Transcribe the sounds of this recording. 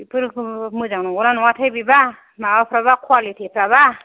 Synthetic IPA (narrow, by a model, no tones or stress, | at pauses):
pʰɯɾmɯzaŋnɔŋɡɔɾanɔŋwatʰajbiba | maapʰɾaβakʰwalitʰipʰɾaba